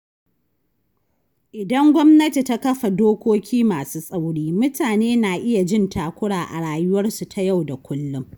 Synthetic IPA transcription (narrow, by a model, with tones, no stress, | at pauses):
ʔɪ˨dɐ˦ŋɡʷɔ˦mnɐ˦ti˨ta˦kɐ˦ɸa˨doː˦kʷoː˦kʲiː˦maː˨suː˦sʼa˦wɽiː˦mʊ˦taː˨neː˦naː˨ʔɪ˦ja˨d͡ʒɪ˦ntaː˨kʷʊ˦ɽaː˨ʔa̰˨ɽaː˨jʊ˦wɐ˦rsu˨tʰa˨ja˦˨wda˨kʷʊ˦lːʊ˦m